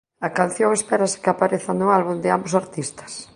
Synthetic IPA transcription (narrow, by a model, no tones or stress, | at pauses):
ɐkan̟θjoŋespɛɾasɪ̥kɪapaɾeθɐnʊalβund̪ɪambʊsaɾt̪ist̪ɐ̥s